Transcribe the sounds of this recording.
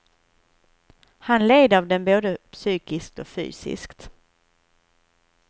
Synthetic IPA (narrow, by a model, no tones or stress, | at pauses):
hanleːd̪əavd̪ɛnboːd̪əpsyːkɪsk̚t̪ɔfy̰ːsɪ̰skt̪